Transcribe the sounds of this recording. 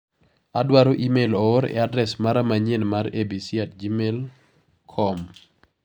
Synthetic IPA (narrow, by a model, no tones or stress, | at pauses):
adwaɾoʔimelɔoɾɛ̰adɾɛsmaɾamaɲenmaɾebisjat̚d͡ʒimel | kʰɔm